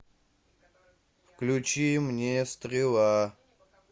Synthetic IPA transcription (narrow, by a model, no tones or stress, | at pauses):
fklʲut͡ɕimnʲest̪ɾʲɪlˠa